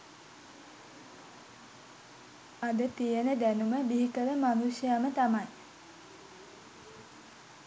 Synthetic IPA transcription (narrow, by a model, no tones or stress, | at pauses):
ad̪ət̪ijənəd̪ænuməbiɦikəʋəmanuʃjamət̪amaj